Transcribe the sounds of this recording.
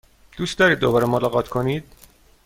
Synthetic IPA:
d̪̥uːst̪d̪ɒːɾiːd̪ːo̞bɒːɾemolɒːɣɒːt̪ʰkʰo̞niːd̪̥̚

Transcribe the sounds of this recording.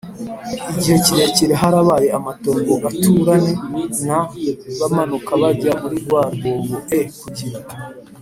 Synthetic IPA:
iɟihe̞ciɾe̞ciɾeɦaɾaβaːje̞amato̞ːŋɡoɡatʰuɾane̞naβamanukaβaɾɟamuɾiɾɡwaːɾɡojoʔekuɟiɾa

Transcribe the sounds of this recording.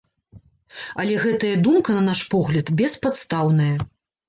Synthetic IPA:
ɐlʲɛɣɛt̪ɐjɐd̪umkɐnɐnaʂpɔɣlʲɐt̪bʲɛspat̪st̪awnɐjɐ

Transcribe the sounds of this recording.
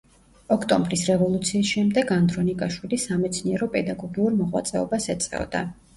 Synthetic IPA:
ɔkʰt̪ʼɔmbɾisɾɛvɔlˠut̪sʰiːsʃɛmd̪ɛɡand̪ɾɔnikʼaʃwilisamɛt̪sʰniɛɾɔpʼɛd̪aɡɔɡiuɾmɔʁwa̰t̪sʼɛɔ̰basɛt̪sʼqɛ̰ɔ̰d̪a̰

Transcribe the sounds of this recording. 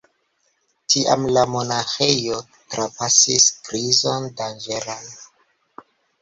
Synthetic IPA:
tʰiʔa̰mlamo̞naxe̞jo̞ | tɾapasiskɾizondand͡ʒelan

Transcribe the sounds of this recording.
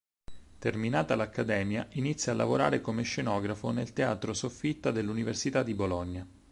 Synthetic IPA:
t̪erminaːt̪alakːad̪ɛːmjaʔinit̪sːjalːa̰voɾa̰ːɾekomeʃːenɔːɡɾafonelt̪eaːt̪ɾosofːit̪ːad̪elːuniversit̪ad̪ːibolɔɲːa

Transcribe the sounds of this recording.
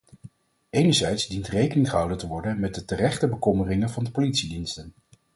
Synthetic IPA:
ejnəɹzɛjtzdintrejkənɪŋχəɦɑwdəntəʋɔɹdənmɛt̚dətərɛχtəbəkɔmərɪŋənvɑndəpolitsidinstən

